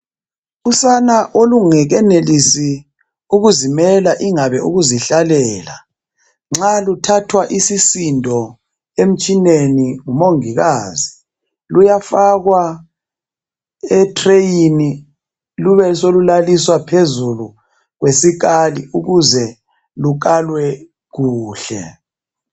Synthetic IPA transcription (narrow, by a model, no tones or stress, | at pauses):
usanaʔoluŋɛɣɛnelisi | uɣuzimɛlaʔiŋaβɛʔuɣuziɬalɛːla | ŋ͡ǁalutʰatʰwaʔisisindʱɔ | em̩t͡ʃʼineniŋumoŋiɣaːzi | lujafaɣwa | ɛtʰrejini | luβɛsolulaliswapʰezulu | ɣwesik̬aliuɣuzɛ | luk̬alwɛ | ɣuːɬɛ̰